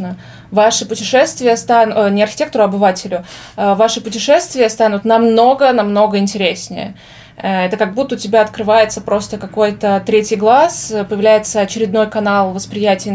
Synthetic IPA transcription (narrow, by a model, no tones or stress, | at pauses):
nə | vaʂɨpʊtʲɪʂɛst̪vʲɪjəst̪annʲɪɐrxʲɪ̥tʲe̞k̚t̪əɾʊɐbɨvatʲɪlʲʊ | əvaʂɨpʊtʲɪʂɛst̪vʲɪjəst̪anʊt̪nɐmno̞ɡənɐmno̞ɡəɪnʲtʲɪɾʲesʲnʲɪ̰jə̰ | ɛt̪əkɐɡ̚but̪ːəʊtʲɪbʲaɐt̪kɾɨvajɪt̪səpɾo̞st̪əkɐko̞jt̪ət̪ɾʲetʲɪjɡlˠaspəjɪvlʲæjɪt̪səɐt͡ɕɪɾʲɪd̪no̞jkɐnalˠvəspɾʲɪjætʲɪj